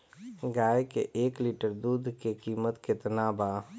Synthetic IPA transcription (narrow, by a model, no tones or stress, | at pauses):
ɡaːjkeʔeːkliːʈəɾd̪uːd̪ʱkekiːmət̪kɪt̪naːbaː